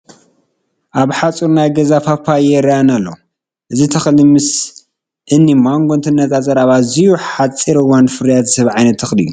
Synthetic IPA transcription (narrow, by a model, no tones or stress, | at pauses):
ʔaβħat͡sʼuɾnajɡɐzafapʰːajɛɾanɐlːo̰ | ʔɨzit̪ʰɐxlimɨs | ʔɨnːimaŋɡont̪ʰɨnːɐt̪azʼɐɾaβazijuħat͡sʼːiɾɨwanfɨɾjat̪zɨ̥shɨβʕajnɐt̪ʰːɐxlḭju